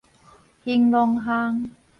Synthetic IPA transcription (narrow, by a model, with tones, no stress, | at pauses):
hi˧ŋlo˧ŋɦaː˧ŋ